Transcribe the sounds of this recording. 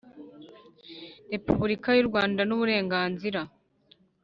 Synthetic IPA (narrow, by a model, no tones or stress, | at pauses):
ɾe̞puβuɾikajuɾɡwaːndanuβuɾe̞ːŋɡaːnziɾa